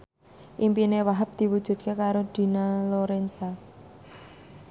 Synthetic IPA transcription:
ʔimpinewaɦap̚d̪̥i̤wud̥ʒ̥ṳt̪̚kekaɾod̪̥i̤naloɾensa

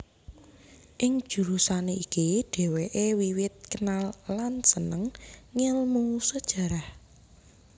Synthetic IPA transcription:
ʔɪŋ̥ʒ̥ṳɾusaneikiɖ̥e̤weʔewiwɪt̪̚kənalːansənəŋːɪlmusəd̥ʒ̥ä̤ɾah

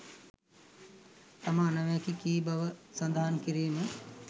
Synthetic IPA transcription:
t̪ɐmãːnɐʋẽːkikiːbɐʋsɐ̃nd̪ʱaːnkiɾiːme

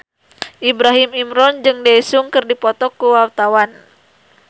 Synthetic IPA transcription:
ʔibɾaɦimimɾɔnd͡ʒɨŋdejsuŋkɨrdipɔt̪ɔkuwawt̪awan

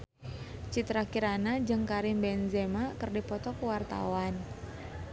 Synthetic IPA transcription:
t͡ʃit̪ɾakiɾanad͡ʒɨŋkaɾimbɛnzemakərdipɔt̪ɔkuwart̪a̰wan

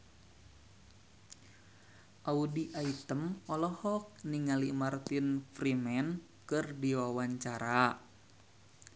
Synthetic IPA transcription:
ʔaudiʔait̪əmɔlɔhɔk̚niŋalimart̪infrimɛn | kɨrdiwawaɲt͡ʃaɾa

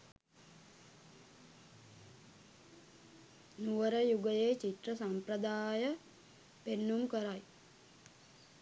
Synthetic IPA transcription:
nuʋəɾəjuɡəjeːt͡ʃit̪rəsamprəd̪aːjə | penːumkəɾaj

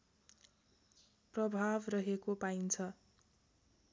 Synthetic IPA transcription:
prʌbʱabrʌɦekopaint͡sʰʌ

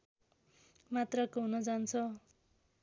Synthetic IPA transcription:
mat̪rʌkoɦunʌd͡zant͡sʰʌ

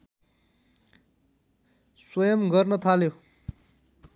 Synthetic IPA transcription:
swʌjʌmɡʌrnʌt̪ʰaljo

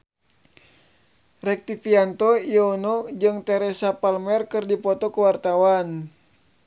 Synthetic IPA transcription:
rɛk̚t̪ifiant̪oionɔd͡ʒɨŋt̪ɛɾɛsapalmɛrkɨrdipɔt̪ɔkuwart̪awan

